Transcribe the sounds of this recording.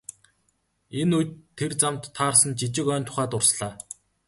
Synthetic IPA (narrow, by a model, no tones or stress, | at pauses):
enujt̪ʰːert͡samt̪ʰːaːrsə̆nt͡ɕit͡ɕɪ̆kœːnʲt̪ʰʊ̥χæːt̪ʊrsɮaː